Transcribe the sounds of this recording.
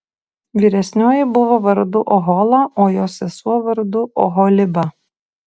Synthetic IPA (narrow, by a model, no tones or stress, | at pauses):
ʋʲiːɾʲɛsʲnʲoːjɪbʊʋoʋɐɾd̪ʊʔɔɦɔːlˠɐoːjoːsʲɛsuɔʋɐɾd̪ʊʔɔ̰ɦɔlʲɪbɐ